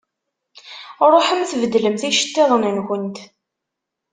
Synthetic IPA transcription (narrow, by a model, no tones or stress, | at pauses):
ɾˤoħəmθvəd̪ləmθiʃə̥t̪ːɪðˤənənxənt̪